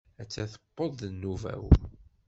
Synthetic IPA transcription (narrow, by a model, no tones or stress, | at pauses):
æt͡sːæθə̥pːəðˤənːuvæ̰w